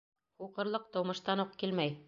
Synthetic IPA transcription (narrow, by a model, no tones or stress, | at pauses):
χuqɤ̆ɾlˠɤq̚t̪ŏwmɤ̆ʃt̪ɑnuqkilmæj